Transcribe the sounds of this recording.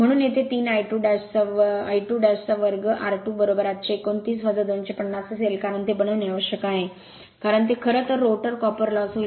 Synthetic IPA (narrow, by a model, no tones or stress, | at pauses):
m̤əɽ̃uːnjet̪et̪iːnajʈuːɖast͡saiʈuːɖast͡saʋəɾɡəʔaɾʈuːbəɾobəɾat̪̚t͡ɕeːkont̪iːsʋəd͡zəd̪onɕepəɳːasəselkaɾəɳt̪ebənəʋniʋəɕjəkaɦe | kaɾəɳt̪ekʰəɾət̪əɾːoʈəɾkɔpəɾlɔsɦo